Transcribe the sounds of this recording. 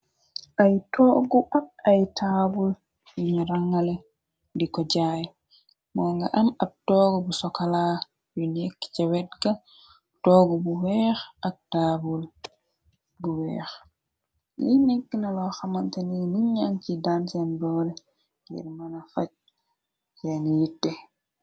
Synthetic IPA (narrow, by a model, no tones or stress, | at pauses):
ʔajtɔɡuʔab̚ajtʰabul | jiɲuɾaŋːalɛ | ndikɔd͡ʒaj | mɔːŋɡa̰ʔamab̚tɔɡɔbusɔkalaː | junɛkːcɛwɛt̚ɡa | tɔɡubuwɛːxʔak̚tabul | buwɛ̰ːx | linekːinalɔxamantaninuɲant͡ʃidansɛndɔːlɛ | ɡḭɾmanafat͡ʃ̚ | janijitːɛ